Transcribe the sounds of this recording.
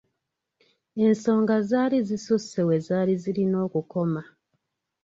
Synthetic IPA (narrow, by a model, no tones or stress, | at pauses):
e̞nso̞ːŋɡazaːlizisusewe̞zaːlizilino̞ːkuko̞ma